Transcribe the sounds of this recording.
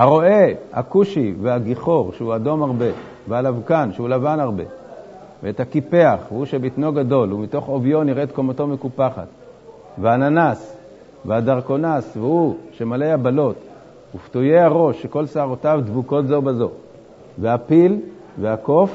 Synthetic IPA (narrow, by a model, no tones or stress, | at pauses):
haʁo̞e̞ha̰kuʃiveaɡiχo̞ʁʃeuado̞maʁbe̞ | vealavkanʃeulavanaʁbe̞̰ | veethakipe̞aχvehuʃebitno̞ɡado̞lumito̞χo̞vjo̞niʁet̪komoto̞mekupaχa̰t | veananas | veadaʁko̞nasvehuʃe̞malejabalo̞t | huftuje̞haʁo̞ʃːeko̞lsaaʁotavdvuko̞tzo̞bazo̞ | veapil | ve̞ako̞f